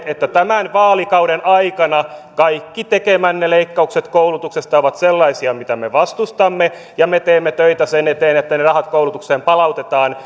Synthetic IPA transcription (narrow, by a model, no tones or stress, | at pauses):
et̪ːæt̪æmænʋɑːlikɑwɾenʔɑikɑnɑkɑikːit̪ekemænːeleikːɑukset̪koulut̪uksest̪ɑoʋɑt̪selːɑisiɑmit̪æmeʋɑst̪ust̪ɑmːe | jɑmet̪eːmːet̪øit̪æsenet̪eːnet̪ːænerɑhɑt̪kouwlut̪ukseːmpɑlɑut̪et̪ɑːn